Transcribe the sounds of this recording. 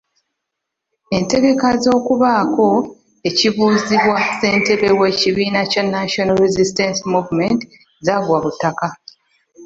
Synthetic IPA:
e̞nte̞ɡe̞kazo̞ːkuβaːko̞ | e̞ciβuːziβwase̞ːnte̞βe̞we̞ciβiːnacanːaʃonaɾezistensmuvmenti | zaɡwaβutːaka

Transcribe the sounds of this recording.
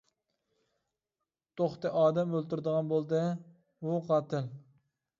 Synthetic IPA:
t̪ʰoχt̪ɛʔɑːd̪ɛmølˠt̪uɾd̪əʁɑnbolˠd̪ɛ | wʊqʰɑt̪ɪl

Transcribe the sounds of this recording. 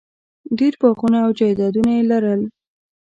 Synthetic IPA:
d̪iɾpɑxunaːwd͡ʒajd̪ɑd̪unajelaɾəl

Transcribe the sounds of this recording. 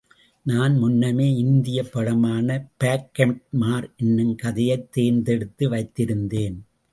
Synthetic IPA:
naːnmʊnːɐmeːɪnd̪ɪjɐpːɐɻɐmaːnɐpaːkːɐɳʈ̚maːɾɛnːɯmkɐðɪjɐɪt̪ːeːnd̪ɛɽɯt̪ːɯʋɐɪt̪ːɪɾɯnd̪eːn

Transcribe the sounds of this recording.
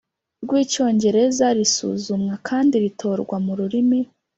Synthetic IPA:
ɾɡwiːco̞ːɲɟe̞ɾe̞zaɾisṵːzumŋakʰaːndiɾitʰo̞ːɾɡwamuɾuɾimi

